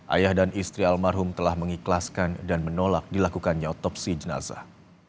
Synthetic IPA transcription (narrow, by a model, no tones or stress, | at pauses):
ʔa̰jahdanʔist̪ɾialmarɦʊmt̪əlahməŋiklaskandanmənolak̚dilakukanɲaɔt̪ɔpsid͡ʒəna̰za̰h